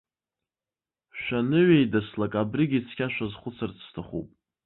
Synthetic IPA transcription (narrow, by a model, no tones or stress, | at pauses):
ʃʷᶣanɨɥejdaslakʼabrɨɡʲit͡sʰkʲʰaʃʷᶣazχʷʊt͡sʰart͡sʰːtʰaχṵpʼ